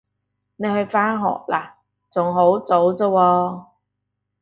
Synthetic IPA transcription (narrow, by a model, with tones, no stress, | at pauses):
ne˨˧jhɵ˧ɥfaː˥nɦɔ̰ː˨k̚laː˨˩ | t͡sʊ˨˩ŋɦo˨˥wt͡so˨˥wt͡so˧wɔː˧